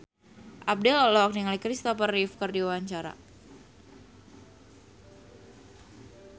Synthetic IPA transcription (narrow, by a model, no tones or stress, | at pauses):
ʔap̚dɛlɔlɔɔk̚niŋalikɾist̪ɔpərifkɨrdiwawaɲt͡ʃaɾa̰